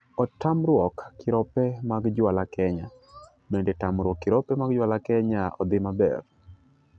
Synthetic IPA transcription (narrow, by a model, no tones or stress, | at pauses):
ɔtamɾwɔkːɪɾɔpɛmaɡd͡ʒwalakʰɛɲa | bɛndɛtamɾwɔkːɪɾɔpɛmaɡd͡ʒwalakɛɲaʔɔd̪ɪmabɛ̰r